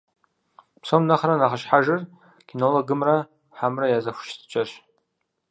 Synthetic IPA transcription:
psomnaχranaχaʃħaʒɨr | ɡ̥ʲinoloɡɨmra | ħamrajazaxʷʃtʰt͡ʃʼaʃ

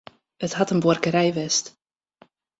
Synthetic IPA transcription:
ətɦatənborkəɾɛjʋɛst

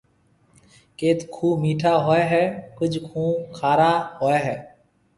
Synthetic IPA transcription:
keːt̪kʰũːmiːʈʰaːɦoːeːɦɛːkʊd͡ʒʱkʰũːkʰaːɾaːɦoːeːɦɛː

